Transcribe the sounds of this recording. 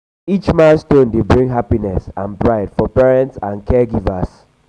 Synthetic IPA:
it͡ʃmãnstõndebɹĩŋɦapinɛsã̰nbɹaɪdfɔpɛɹɛ̃ntsãnkɛɡivas

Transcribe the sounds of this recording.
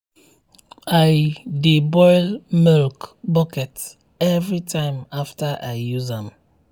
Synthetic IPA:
aɪdibɔɪlmilkbɔkɛt | ɛvɹitʰãɪ̃maftaʔaɪjuzãm

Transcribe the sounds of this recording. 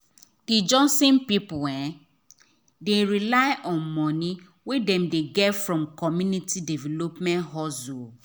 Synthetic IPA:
did͡ʒɔ̃sẽnpipʊɛ̃ | deɾilaɪʔɔ̃nmɔ̃nĩ | wedɛ̃mdeɡɛtfɹɔ̃mkʰɔmjũnitʰidɛvɛlopmɛ̃ntɦɔsul

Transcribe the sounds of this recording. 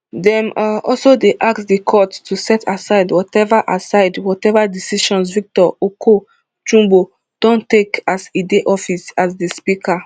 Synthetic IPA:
dɛ̃mɔ̰lsodeʔaksdikʰɔttusɛtʰasaɪdwɔtɛvaʔasaɪdwɔtɛvadisiʃɔ̃nsvik̚tɔokʰo | t͡ʃũmbo | d̥ɔ̃ntekasideʔɔfisasdespikʰa

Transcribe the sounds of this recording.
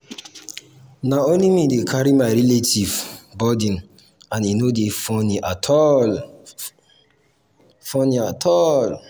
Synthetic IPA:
naõnlimidekʰaɾimaɪɾiletʰivbɔdĩn | ãninodefɔ̃niʔatʰɔl | fɔ̃niatʰɔl

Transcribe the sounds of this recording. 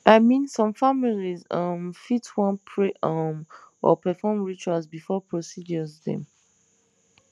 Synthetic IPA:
ʔaɪmĩnsɔ̃mfamilizə̃mfitwɔ̃npʰɹeʔamʔɔ̰pɛfɔmɹit͡ʃualzbifɔpʰɹosid͡ʒɔzðɛ̰̃m

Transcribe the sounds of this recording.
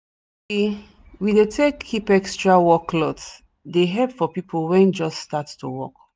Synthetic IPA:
i | widetʰekʰːipɛkstɹawɔklɔts | deɦɛlpfɔpipʰolwɛ̃nd͡ʒɔststattuwɔ̰k

